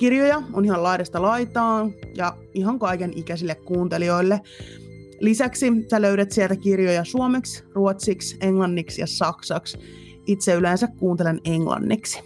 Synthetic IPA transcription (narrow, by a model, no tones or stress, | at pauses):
kirjojɑonihɑlɑjɾɑst̪ɑlɑjt̪ɑːnjɑ | iɦɑŋkɑikenikæsilːekkuːnt̪e̞lio̞ilːe | lisæksisæløyɥɾet̪sielt̪ækirjojɑsuomeksruot̪sikse̞ŋlɑnːiksjɑ̰sɑksɑks | it̪seyleːnsækkuːnt̪elene̞ŋlɑ̰nːḭksi̥